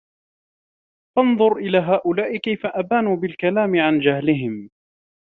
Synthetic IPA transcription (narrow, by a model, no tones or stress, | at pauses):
fɑnðˤʊɾʔɪlaːɦaːʔʊlaːʔɪkajfaʔabaːnuːbɪlkalaːmɪʕand͡ʒahlɪɦɪm